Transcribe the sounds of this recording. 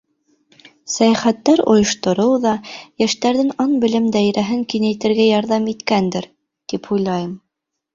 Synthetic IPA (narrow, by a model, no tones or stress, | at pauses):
sæjæχæt̪ːæɾŏ̰jŏʃt̪ŏɾɤwðɑjæʃt̪æɾðɘŋɑnbɘ̆lɘmd̪æjɾæɦɘŋkinæjt̪ɘ̆ɾɡæjɑɾðɑmit̪kænd̪ɘɾ | t̪iphujlˠɑjɤm